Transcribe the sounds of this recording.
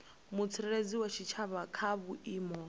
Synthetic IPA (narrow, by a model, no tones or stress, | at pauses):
mut͡sʰɛɾɛɺed͡ziwat͡ʃʰit͡ʃʰaβakʰaβuiːmɔ